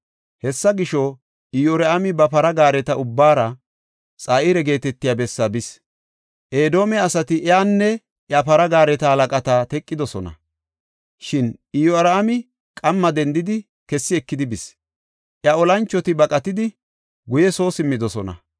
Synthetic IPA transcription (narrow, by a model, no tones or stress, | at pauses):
hɛsːɐɡɪʃɔ | ɪjoɾɐamɪbɐpɐɾɐɡaːɾɛt̪ɐʊbːaːɾɐ | t͡sʼaːɪɾɛɡe̞ːt̪ɛt̪ːɪjaːbɛsːɐbɪs | ʔeːd̪o̞ːmɛɐsɐt̪ɪʔɛaːnːɛ | ʔjɐpɐɾɐɡaːɾɛt̪ɐhɐlɐkʼɐt̪aːt̪ɛkʼːɪd̪ɔsɔnɐ̰ | ʃɪnɪjoɐɾamɪ | kʼɐmːɐd̪ɛnd̪ɪd̪ɪ | kɛsːɪɛkːɪd̪ɪbɪs | ʔjɐɔlɐnt͡ʃːɔt̪ɪbɐkʼɐt̪ɪd̪ɪ | ɡʊjɛso̞ːsɪmːɪd̪ɔsɔnɐ̰